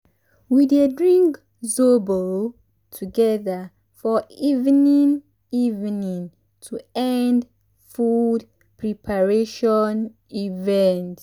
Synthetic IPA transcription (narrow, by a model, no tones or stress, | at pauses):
widedɹĩŋk | zobo | tʰuɡɛða | fɔivnĩn | ivnĩn | tʰuɛ̃nd | fud | pʰɹipʰaɹeʃɔn | ivɛ̃nt